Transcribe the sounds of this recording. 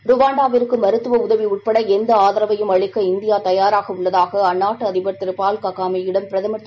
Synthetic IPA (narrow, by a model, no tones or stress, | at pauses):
ɾʊʋaːɳɖaːʋɪɾɯkːɯmɐɾɯt̪ːɯʋɐʊðɐʋiʊʈ̚pɐɽɐɛnd̪ɐaːðɐɾɐʋɐjɯmɐɭɪkːɐɪnd̪ɪjaːt̪ɐjaːɾaːɣɐʊɭːɐðaːɣɐɐnːaːʈːɯɐðɪbɐɾt̪ːɪɾɯpaːlkɐɣaːmiɪɽɐmpɪɾɐðɐmɐʈ̪ː